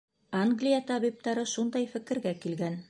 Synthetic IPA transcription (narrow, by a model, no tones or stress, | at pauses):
aŋɡlʲijat̪ɑβip̚t̪ɑɾɤʃund̪ɑjfɘ̆kɘ̆ɾɡækilɡæn